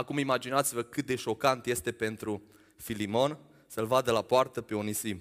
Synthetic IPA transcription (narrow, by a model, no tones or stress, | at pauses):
akumimad͡ʒinat̪sivəkɨt̪̚d̪e̞ʃo̞kant̪je̞st̪e̞pe̞nt̪ɾu | filimo̞n | səlvad̪əlapoart̪əpe̞onisim